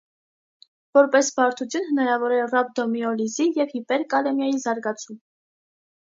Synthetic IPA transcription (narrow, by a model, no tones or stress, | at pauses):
vɔɾpɛsvɑɾt̪ʰut͡sʰjunhənɑɾɑvɔɾɛrɑb̚d̪ɔmiɔlizijɛvhipɛɾkɑlɛmjɑjizɑɾɡɑt͡sʰum